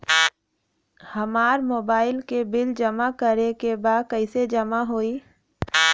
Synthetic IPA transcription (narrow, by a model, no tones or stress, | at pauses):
həmaːɾmoːbaːɪlkebɪld͡ʒəmakəɾekebaːd̪̚kəɪsed͡ʒəmaɦoːiː